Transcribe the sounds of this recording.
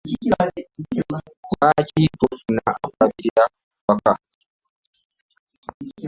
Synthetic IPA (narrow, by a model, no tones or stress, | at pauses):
acipofunaa̰kaβiɾiɾa | waka